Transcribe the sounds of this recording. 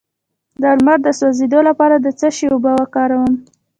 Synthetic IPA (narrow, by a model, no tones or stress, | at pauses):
d̪aɾmaɾd̪əswozed̪olapɑɾad̪ət͡səʃeobawakɑɾawəm